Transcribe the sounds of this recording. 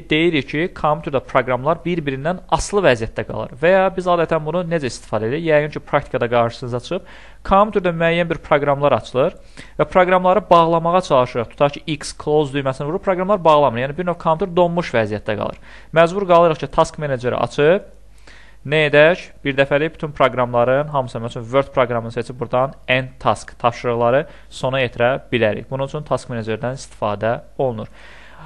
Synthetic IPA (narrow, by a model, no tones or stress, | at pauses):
d̪e̞jiɾicʰikʰomʲjʲut̪ʰeɾd̪æpʰɾoɡɾɑmlˠɑɾbiɾbiɾind̪ænɑslˠɯvæzijæt̪̚d̪æɡɑ̰lˠɯ̰ɾvæjɑbizɑːd̪æt̪ʰænbununed͡ʒæist̪i̥fɑːd̪ed̪ijjæɡynt͡ʃʰipʰɾɑkt̪ʰi̥kʰɑd̪ɑɡɑɾʃɯ̥sɯnɯzɑt͡ʃʰɯ̥ɯb̥̚ | kʰomjʲut̪eɾd̪æmyæjːænbiɾpʰɾo̞ɡɾɑmlˠɑɾɑt͡ʃʰɯlˠɯɾ | væpʰɾo̞ɡɾɑmlˠɑɾɯbɑʁlˠɑmɑʁɑt͡ʃʰɑlˠɯʃɯɾɑχt̪ʰu̥t̪ʰɑɾt͡ʃʰi̥ikskʰlˠozd̪ujmæsnævuɾupʰɾoɡɾɑmlˠɑɾbɑʁlˠɑmɯɾjæːnibiɾnofkʰomjʲut̪eɾd̪o̞mmuʃvæzijæt̪̚ʰːæɡɑ̰lˠɯ̰ɾ | mæzbuɾɡɑlˠɯɾɯχcʰit̪ʰɑskmened͡ʒeɾ̰ɑ̰t͡ʃʰɯp̚ | næed̪æcb̥iɾd̪æfæliby̥t̪ʰynpʰɾo̞ɡɾɑmlˠɑɾɯnɦɑmɯsɑmæt͡ʃʰynvøɾd̪̚pʰɾoɡɾɑmɯnɯnset͡ʃʰibuɾd̪ɑnænt̪ʰɑskt̪ʰɑpʃɯɾɯɣlˠɑɾɯ | so̞nɑjet̪ʰiɾæbilæɾḭçbununyt͡ʃʰynt̪ʰɑskmened͡ʒeɾd̪ænist̪i̥fɑ̰ːd̪æo̞lˠnuɾ